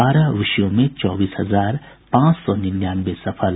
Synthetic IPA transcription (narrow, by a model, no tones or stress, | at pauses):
aɾʌʋisjomet͡sɔbisɦʌd͡zar | pãt͡ssɔnind̪janbesʌpʰəl